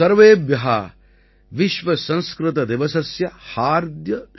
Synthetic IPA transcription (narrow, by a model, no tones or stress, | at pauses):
ɐɾʋeːbjɐɦɐ̰ | ʋiʃʋɐsɐ̃nskɾɪt̪ɐd̪eʋɐsɐsjɐhaːɾd̪jɐ